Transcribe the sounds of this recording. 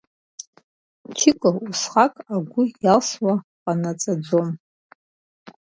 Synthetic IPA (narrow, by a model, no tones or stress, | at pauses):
t͡ʃʰɪkʼɨusχakʼaɡʷʊjalswaqʼanat͡sʼad͡zom